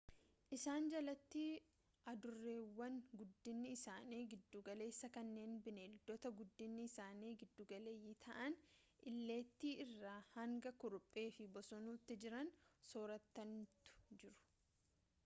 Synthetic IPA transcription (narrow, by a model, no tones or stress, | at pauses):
ʔɪsaːnd͡ʒɐlɐt̪ːi | ʔɐd̪ʊrːeːwːɐnɡʊd̪ːɪnːɪːsaːniːɡɪd̪ːuːɡɐle̞ːsːɐkɐnːe̞ːnbɪneːld̪ɔt̪ɐɡʊd̪ːɪnːɪːsaːniːɡɪd̪ːuːɡɐle̞ːjɪt̪ʰɐʔɐn | ʔɪlːe̞ːt̪ːiːɪrːaːhɐŋɡɐkʊɾʊpʼːe̞ːfɪbɔsɔnuːt̪ːɪd͡ʒɪɾɐnsoːɾɐt̪ːɐnt̪ʊ̥d͡ʒɪɾʊ̥